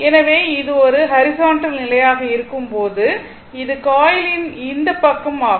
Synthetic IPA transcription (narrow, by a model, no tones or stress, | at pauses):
ɛnɐʋeːɪðɯɔɾɯɦɐɾɪsaːɳʈɐlnɪlɐjaːɣɐɪɾɯkːɯmpoːðɯ | ɪðɯkaːjɪlɪnɪnd̪ɐpːɐkːɐmaːɣ